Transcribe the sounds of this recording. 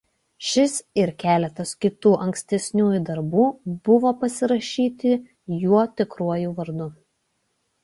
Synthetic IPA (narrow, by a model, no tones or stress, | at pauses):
ʃʲɪsɪɾkʲæːlʲɛt̪ɐskʲɪt̪uːʔɐŋʲksʲt̪ʲɛsʲnʲuːjʊd̪ɐɾbuːb̥ʊʋoːpɐsʲɪɾɐʃʲiːt̪ʲɪ | juɔt̪ʲɪkɾuɔjuːʋɐɾd̪ʊ